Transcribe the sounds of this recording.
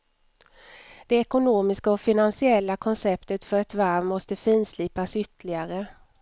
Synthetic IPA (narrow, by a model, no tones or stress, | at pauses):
d̪̥ɛɛkʊnoːmɪskaɔfɪnansɪɛlːakʰɔnsɛpt̪ət̪fœɾɛt̪vaɾvmɔst̪əfiːnsliːpasʏt̪ːəlɪɡaɾə